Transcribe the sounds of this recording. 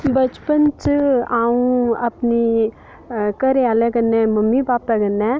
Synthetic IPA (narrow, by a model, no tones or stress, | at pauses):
bət͡ʃpənt͡ʃɨaːũɐpni | kəɾeaːlɛɡənːɛ̃məmːibaːpɛɡənːɛ̃